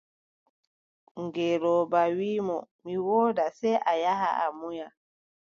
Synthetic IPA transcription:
ŋɡeɾɔːbawiːmɔmiwɔːdasɛjʔajaɦaamuja

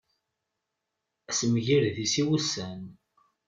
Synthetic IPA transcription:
æsmʝiɾðisiwusːæn

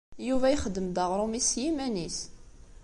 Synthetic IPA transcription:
juvæjχəd̪ːəmd̪ɑʁɾˤumisjimænis

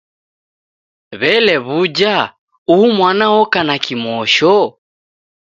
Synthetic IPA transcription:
βɛlɛβud͡ʒa | uumwanaɔkanakimɔʃɔ

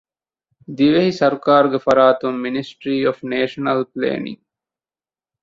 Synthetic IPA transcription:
d̪iʋeɦisɐɾukaːɾuɡefɐɾaːt̪umːinisʈɾiːofneːʃɐnɐlplḛːnḭŋ

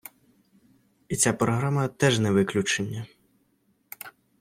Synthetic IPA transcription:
it͡sʲapɾɔɦɾamɐt̪ɛʒnɛʋɪklʲut͡ʃenʲːɐ

